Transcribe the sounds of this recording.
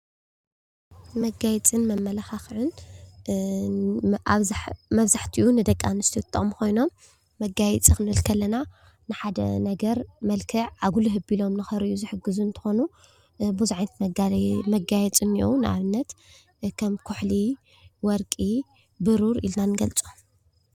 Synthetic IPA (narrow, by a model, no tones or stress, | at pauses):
mɐɡajɛt͡sʼɨnmɐmːɐlɐxaxʕɨn | ʔaβmɐβzaħt̪ʰiʔunɨd̪ɐkʼːanɨst̪ʰit̪ʼːɨmkʰo̞jno̞mː | ɐɡajɛt͡sʼixɨnɨɨlkʰɐlːɐna | nɨħad̪ɐ̰nɐɡɐɾmɐlkʰɨʕʕaɡuluɦɨbilo̞mnɨxɐɾiʔuzɨħɨɡːɨzunt̪ʰɨ̥xo̞nu | buzuʕajnt̪ | mɐɡajɛt͡sʼɨniʔownɨʔa̰βɨnːɐt̪ | kʰɐmkʰuħli | wɔɾkʼi | bɨɾuɾḭlnanɨɡɐlt͡sʼum